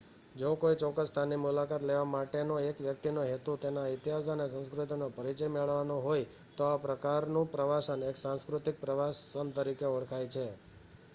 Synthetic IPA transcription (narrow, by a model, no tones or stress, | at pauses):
d͡ʒokoit͡ʃɔkːəst̪ʰanimulakat̪leʋamaʈenoekʋjək̚t̪inoɦet̪ut̪enait̪iɦasanesə̃nskɾut̪inopəɾit͡ʃəjmeɭʋanõɦoj | t̪oapɾəkaɾnũpɾəʋasəneksãnskɾut̪ik̚pɾəʋasənt̪əɾikeɔɭkʰajt͡ʃʰe